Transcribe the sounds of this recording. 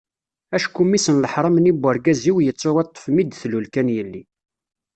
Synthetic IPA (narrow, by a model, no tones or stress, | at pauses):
æʃkumisənləħɾˤɑmnibːəɾɡæziwjət͡sːowɑt̪ˤːə̥fmid̪θlulkænjəlːi